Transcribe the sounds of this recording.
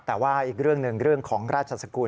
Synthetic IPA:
t̪ɛː˨˩waː˥˩ʔiː˨˩k̚ɾɯ˥˩əŋnɯ˨˩ŋɾɯ˥˩əŋkʰɔː˩˦ŋɾaː˥˩t̪̚t͡ɕʰa˧sa˧kuː˧

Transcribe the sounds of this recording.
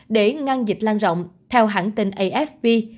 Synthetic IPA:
ɗe˧˩ŋa˧nzi˨˩k̚laː˧nzo̰˧˨wŋ͡mt̪ʰɛ˧wɦaː˧˩nt̪i˧nʔə˧jʔɛ˦˥fvi˧

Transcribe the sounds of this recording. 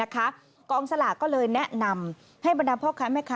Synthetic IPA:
kʰa˦˥ | kɔː˧ŋsa˧laː˨˩kɔː˥˩lɤː˧jnɛ˦˥ʔna˧m | ha˥˩jba˧ndaː˧pʰɔː˥˩kʰːaː˦˥mɛː˥˩kʰaː˦

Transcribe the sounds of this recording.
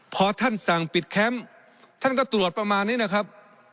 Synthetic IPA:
pʰɔː˧t̪ʰa˥˩nsa˨˩ŋpi˨˩t̪̚kʰɛ˦˥m | t̪ʰa˥˩nkɔː˥˩t̪ɾu˨˩ət̪̚pɾa˧maː˧nːiː˦˥na˦˥˩kʰa˦˥p̚

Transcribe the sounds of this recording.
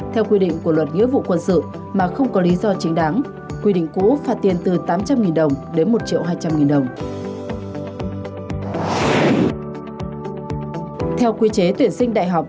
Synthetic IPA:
t̪ʰɛ˧wkwi˧ɗḭ˧˨ŋ̟ku˧˩əlwə˨˩t̚ŋḭ˧˥vṵ˧˨kwə˧nsɨ̰˧˨ | maː˨˩xə˧wŋ͡mkɔ˨˦li˨˦zɔ˧t͡ɕï˨˦ŋ̟ɗaː˨˦ŋ | kwi˧ɗḭ˧˨ŋ̟kṵ˧˥faː˧t̪̚i˨˩ənt̪ɨ˨˩t̪aː˨˦mt͡ɕa˧mŋi˨˩nɗə˨˩wŋ͡mɗe˨˦nmo˨˩t̚t͡ɕḭ˧˨əwɦaː˧jt͡ɕa˧mŋi˨˩nɗə˨˩wŋ͡m | t̪ʰɛ˧wkwi˧t͡ɕe˨˦t̪wi˨˩ənsï˧ŋ̟ɗa̰ː˧˨jɦa˨˩wk͡p̚

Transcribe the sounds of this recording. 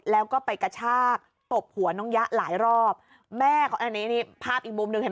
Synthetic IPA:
lɛː˦˥wkɔː˥˩pa˧jka˧t͡ɕʰaː˥˩k̚ | t̪o˨˩p̚hu˩˦ɐnɔ˦˥ŋja˦˥ʔlaː˩˦jɾɔː˥˩p̚ | mɛː˥˩kʰɔː˨˩naː˥˩˨niː˦˥niː˥˩pʰaː˥˩pʔiː˨˩k̚mu˧mnɯ˨˩ŋa˨˩

